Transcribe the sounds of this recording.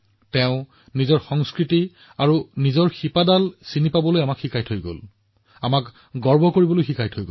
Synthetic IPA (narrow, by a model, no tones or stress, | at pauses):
tɛʊ̃ | nizɔɹxɔŋskɹiti | aɹunizɔɹxipadalsinipabɔlojamakxikʰajtʰojɡo̰l | amak | ɡɔɹbʱɔkoɹibɔlojxikʰajtʰojɡo